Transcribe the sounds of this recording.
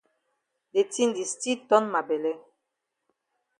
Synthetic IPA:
de˨ti˦ndi˨sti˦tɔ˦nma˨bɛ˨lɛ˦

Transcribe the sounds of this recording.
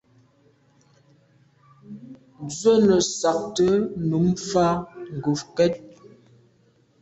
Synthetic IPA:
d͡zɥə˦nə˨sa˨k̚tə˦nu˨˦ŋfa˦ŋ̩˨ɡu˨fkɛ˦t̚

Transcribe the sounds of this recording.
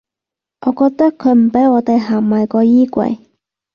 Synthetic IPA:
ʔɔː˨˧kɔː˧k̚t̪ɐ˥kʰːɵ˨˧ɥm̩˨˩pe˨˥jɔː˨˧t̪e˨jɦaː˨˩ŋmɐ˨˩jkɔː˧jiː˥kʷɐ̰˧j

